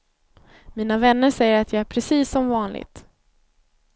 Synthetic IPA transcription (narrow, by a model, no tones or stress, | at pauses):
miːnavɛnːəʂɛjːəɾat̪jɑæɾpʰɾɛsiːsːɔmvɑːnlʔɪ̰ɡt̪